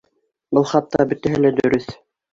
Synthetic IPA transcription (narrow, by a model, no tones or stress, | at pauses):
bɤlˠχɑt̪ːɑbɵ̆t̪æɦɘlæd̪ɵ̆ɾɵθ